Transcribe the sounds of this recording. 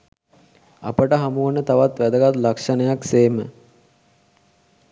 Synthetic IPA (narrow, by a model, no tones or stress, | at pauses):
a̰pəʈəɦamuʋənət̪aʋat̪ʋæd̪əɡat̪lakʂənəjakseːmə